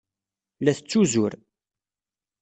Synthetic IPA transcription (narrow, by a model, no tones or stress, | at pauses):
læθət͡sːuzʊɾ